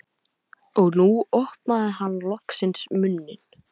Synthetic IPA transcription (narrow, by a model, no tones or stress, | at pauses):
ɔɣnuɔhpnaðɪɦanːlɔksɪnsmʏnːɪn̥